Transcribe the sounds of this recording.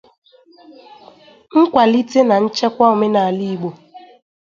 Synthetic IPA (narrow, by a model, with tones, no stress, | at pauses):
ŋ̩˦kʷa˨li˦te˦na˨n̩˦t͡ʃɛ˦kʷa˦o˨me˦na˨a˨li˦i˨ɡ͡bo˨